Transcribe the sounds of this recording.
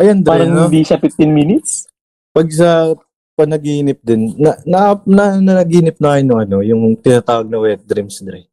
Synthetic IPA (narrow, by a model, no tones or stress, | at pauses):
ʔɐjɐnd̪ɾaːɾɐŋod̪iʃɐfɪft̪ɪnminɪt̪s | pɐɡ̚s̬ɐ | pɐnɐɡiːnɪp̚d̪ɪnːɐnɐʔpnɐnɐnɐɡiːnɪp̚nɐʔaɪnʊŋɐno̞jʊŋt̪ɪnaːt̪aːwɐɡ̚nɐwɛt̪̚d̪ɾɪmsd̪ɾɛ